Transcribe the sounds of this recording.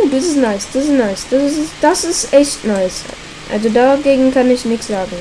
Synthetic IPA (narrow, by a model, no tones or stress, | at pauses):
oːdiːs̬ɪstnaɪsd̥isɪstnaɪsd̥assɪsd̥asɪstʔɛçtnaɪs | ʔa̰lzodaɡeːɡŋ̩kʰanɪçnɪçtz̥aːɡŋ̩